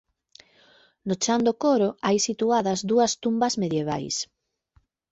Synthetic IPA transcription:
not͡ʃand̪okoɾoajsit̪uaðɐzðuɐst̪umbɐzmeðjeβ̞a̰js

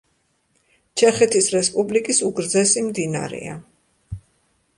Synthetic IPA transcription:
t͡ʃʰɛχɛt̪ʰisɾɛspʼublikʼisuɡɾd̪zɛsimd̪ina̰ɾɛ̰a̰

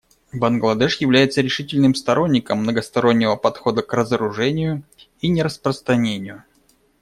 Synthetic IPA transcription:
bənɡlˠɐd̪ɛʂjɪvlʲæjɪt̪səɾʲɪʂɨtʲɪlʲnɨmst̪ɐɾʔo̞nʲːɪkəmːnəɡəst̪ɐɾo̞nʲːɪvəpɐt̪xo̞d̪əkrəzəɾʊʐɛnʲɪjʊ | inʲɪɾəspɾəst̪ɾɐnʲenʲɪjʊ

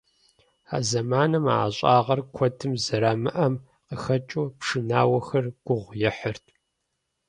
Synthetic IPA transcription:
a̰ːzɐmaːnɐma̰ːɕʼaːʁɐrkʷʰɔtʰɨmzɐɾaːmɨʔɐm | qəxɐt͡ʃʼopʂɨnaːwɐxɐrɡ̥ʷʊʁʷjɛħərtʰ

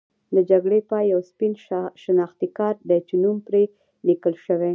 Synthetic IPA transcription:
d̪əd͡ʒaɡɽepɑjawspinʃənɑxt̪ikɑɾd̪ət͡ʃunumpɾe | likəlʃəwe

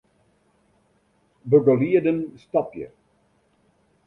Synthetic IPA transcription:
bøɡəliədənstɑpjə̰

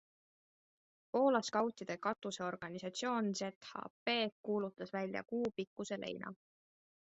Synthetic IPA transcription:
po̞ːlɑskɑwt̪id̪̥e̞kɑt̪ːˑuse̞o̞rɡ̥ɑnisɑt̪sio̞ːnse̞t̪hɑ̰pe̞ːkːuːlut̪ːˑɑsvælʲjɑ̰kuːpikːuse̞lʔe̞̰jnʔɑ̰

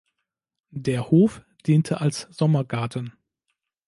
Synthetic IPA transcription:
deːɐhoːf | d̥iːntʰəʔalsz̥ɔmɐɡaɐtən̩

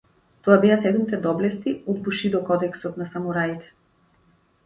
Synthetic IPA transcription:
t̪ɔabɛasɛd̪umit̪ɛd̪ɔblɛst̪iɔd̪buʃid̪ɔkɔd̪ɛksɔt̪nasamuɾait̪ɛ̥

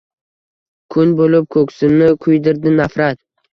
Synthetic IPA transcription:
kʰʊnbolɪp̚kʰɵkʲsɪnɪkʰʊjd̪ɪɾd̪ɪnafɾat̪

